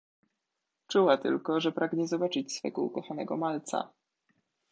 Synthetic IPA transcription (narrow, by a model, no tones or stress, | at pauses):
t͡ʂuwat̪ɘ̰lkɔʐɛpɾʔaɡɲɛzɔbat͡ʂɘt͡ɕsfɛ̰ɡɔṵkɔxanɛɡɔmalt̪sa̰